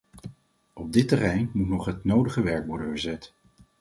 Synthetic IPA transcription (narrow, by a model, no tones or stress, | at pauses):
ɔb̚dɪtərɛjnmutnɔχɦətnowdəχəʋɛɹkʋɔɹdənvəɹzɛt